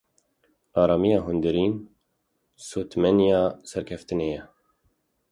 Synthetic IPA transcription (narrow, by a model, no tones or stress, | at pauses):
ɑːɾɑːmijɑːɦʊnd̪ɨɾiːn | soːt̪mɛnijɑːsɛɾkʰɛft̪ɨnejɛ